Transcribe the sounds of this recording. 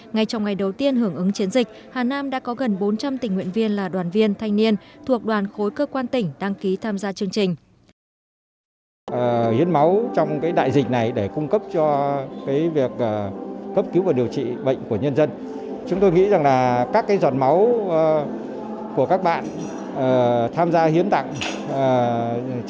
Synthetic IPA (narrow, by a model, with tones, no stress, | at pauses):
ŋa˧˩jt͡ɕɔ˧wŋ͡mŋa˨˩jɗə˨˩wt̪i˧ənɦɨ˧˩əŋʔɨ˨˦ŋt͡ɕi˨˦ənzï˨˩k̟̚ | haː˨˩naː˧mɗa̰ː˧˥kɔ˨˦ɣə˨˩nɓo˨˦nt͡ɕa˧mt̪i˨˩ŋ̟ŋwḭ˧˨ənvi˧ənlaː˨˩ɗwaː˨˩nvi˧ənt̪ʰa˧jŋni˧ənt̪ʰu˨˩ək̚ɗwaː˨˩nxo˨˦jkəː˧kwaː˧nt̪ï˧˩ŋ̟ɗaː˧ŋki˨˦t̪ʰaː˧mzaː˧t͡ɕɨ˧əŋt͡ɕï˨˩ŋ̟ | ʔəː˨˩˨hḭ˧˥ənma˨˦wt͡ɕwŋ͡mkaː˨˦jɗa̰ː˧˨jzï˨˩k̟̚na˨˩jɗe˧˩kʊ˧ŋ͡mkə˦˥p̚t͡ɕɔ˧kaː˨˦jvi˨˩ək̚ʔəː˨˩kə˦˥p̚ki˨˦wvaː˨˩wɗi˨˩əwt͡ɕḭ˧˨ɓə̰˧˨jŋ̟ku˧˩əɲə˧nzə˧n | t͡ɕʊ˨˦ŋ͡mt̪o˧jŋḭ˧˥za˨˩ŋlaː˨˩kaː˦˥kːaː˨˦jzwaː˨˩n̚ma˨˦w | ku˧˩əkaː˦˥k̚ɓa̰ː˧˨n | ʔəː˨˩t̪ʰaː˧mzaː˧hi˨˦ənt̪a̰˧˨ŋː˨˩